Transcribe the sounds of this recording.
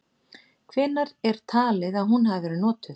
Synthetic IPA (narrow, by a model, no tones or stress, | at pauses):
kʰvɛːnːaɾɛɾ̥t̪ʰaːlɪðaðɦunɦavvɛːɾʏnɔːt̪ʏ